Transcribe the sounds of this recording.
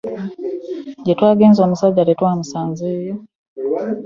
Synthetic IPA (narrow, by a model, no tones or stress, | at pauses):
ɟetwaːɡe̞ːnzo̞musaɟːaletwaːmusaːnzeːjo